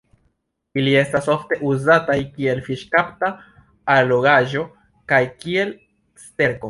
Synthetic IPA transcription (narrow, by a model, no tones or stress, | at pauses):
ilie̞staso̞fte̞ʔuzatajkie̞lfiʃkaptaː | lo̞ɡaʒo̞ | kajkie̞l | ste̞ɾko̞